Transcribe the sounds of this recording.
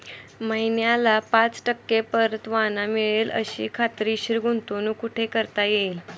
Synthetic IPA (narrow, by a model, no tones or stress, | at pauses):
məinjalapãt͡sʈəkːepəɾət̪ʋanamiɭelə̰ɕḭːkʰat̪ɾiːɕiɾɡunt̪onukuʈʰekəɾt̪ajeil